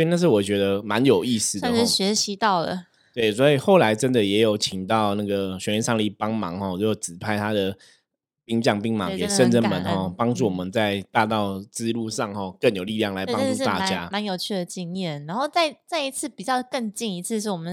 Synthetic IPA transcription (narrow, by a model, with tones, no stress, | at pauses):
sɔ˥i˨na˥˧ʂ̬ɻ̩˥˩wɔ˨˩t͡ɕɥɛ˧˥d̪ə˧ma˧˦njo˨˩ʊi˥˧sɹ̩˥˩˥ə˥˩˥ɕɥɛ˧˥ɕi˧˦t̪ɑ˥˩ʊd̪ə̰˩ | t̪we˥˩ɪswɔ˧˥i˨˩xo˥˩ʊla˧˥ɪʈ͡ʂə˦nd̪ə˨jɛ˧˥jo˨˩ʊt͡ɕʰi˨˦ŋt̪ɑ˥˨ʊna˥˩ɡə˩ɕɥɛ˧˥li˧˥nʂɑ˥˧ŋli˥˩pɑ˥ŋmɑ̰˧˥ŋxɔ˥˩o˥jo˨˩t͡sɹ̩˨˩pʰa˥˧ɪt̪ʰa˥d̪ə˩ | pi˥˧ŋt͡ɕjɑ˥˧ŋpi˥˩ŋmɑ̰˨˧˦ŋ˩ke˨˩˧ʂə˥˧nʈ͡ʂə˥˩nmə˧˦nxɔ˥˩pɑ˥ŋʈ͡ʂu˥˩wɔ˨˩mə˦nt͡sa˥˧ɪt̪a˥˧t̪ɑ˥˩ʊt͡sɹ̩˥˧lu˥˧ʂɑ˥˩ŋhɔ˥˧kə˥˩njo˨˩ʊli˥˧ljɑ˥˩ŋla˧˥ɪ˥ɑ˥ŋʈ͡ʂu˥˧˥t̪a̰˥˩t͡ɕja˦ma˧˦njo˨˩ʊt͡ɕʰy˥˩d̪ə˩t͡ɕi˥njɛ˥˩na˧˥nxo˥˧ʊt͡sa˥˩ɪt͡sa˥˩ɪi˧t͡sʰɹ̩˥˩pi˨˩t͡ɕjɑ˥˧ʊkə˥˧ŋt͡ɕi˥˩ŋi˧˥t͡s̩ʰ˥˧ʂɻ̩˥˩wɔ˨˩mə˨˦n